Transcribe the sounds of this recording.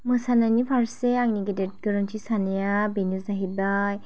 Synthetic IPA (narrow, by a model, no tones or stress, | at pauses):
mɯsananipʰaɾseaŋniɡedet̚ɡɯɾɔntʰisanejabenjusnaɦibaj